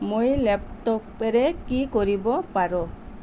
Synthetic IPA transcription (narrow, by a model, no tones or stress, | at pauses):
mujleptɔkeɾekikɔɾibɔpaɾɔ